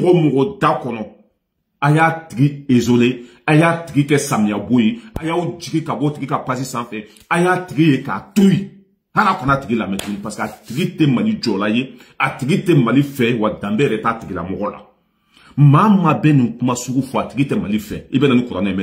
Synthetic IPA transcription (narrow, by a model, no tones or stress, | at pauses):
kɔmɔɡɔdakɔnɔ | ajatiɡiezole | ajatiɡikɛsãmijabojeajaod͡ʒiɡikabɔtiɡikapas̬isãfɛ | ajatiɡijeka̰tuji | haɾakɔnatiɡilamɛtuɡunĩpasi̥katiɡitemalid͡ʒɔlaje | atiɡitemalifɛwadãmbɛɛɾɛtatiɡila̰mɔɡɔla̰ | mamabɛnĩkumasuɡufɔatiɡitɛmalifɛ̰ibɛnanikuɾanaimɛ